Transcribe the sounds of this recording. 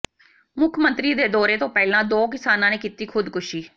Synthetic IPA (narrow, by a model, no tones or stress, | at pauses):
mʊkʰmə̃nt̪ɾiːd̪eːd̪ɔːɾeːt̪õːpɛːlãːd̪oːkɪsaːnãːneːkiːt̪iːkʰʊd̪kʊʃiː